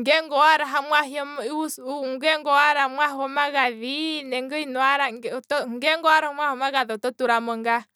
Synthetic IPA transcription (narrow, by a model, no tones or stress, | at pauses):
ŋɡɛŋɡɔaɾaɦamwaɦiɔmiusuŋɡeŋɡɔaɾamwaɦɔmaɣaðinɛŋɡəinɔaɾaŋt̪ɔŋɡɛŋɡɔaɾaomwahomaɣaðɔt̪ɔt̪uɾamɔŋɡa